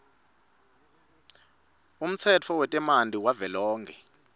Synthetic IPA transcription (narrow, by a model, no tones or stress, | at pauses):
um̩t͡sʰɛt͡fʰɔwɛtʼɛmandʱiwavɛlɔːŋɡʰɛ